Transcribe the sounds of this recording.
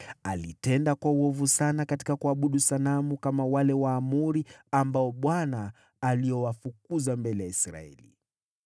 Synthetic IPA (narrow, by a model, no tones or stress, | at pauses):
alitɛndakwauɔvusanakati̥kakuaɓuɗusalamukamawalɛwaːmuɾiambaɔɓwanaː | liɔwafuk̚uzambɛlɛjaisɾa̰ɛ̰lḭ